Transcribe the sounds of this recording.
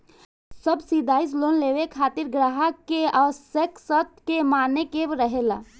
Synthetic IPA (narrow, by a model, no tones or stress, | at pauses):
səbsid̪aːɪs̬loːnleːʋekʰaːt̪ɪɾɡɾaːɦakeaːsəksət̪ʰkemaːnekebɾəɦela̰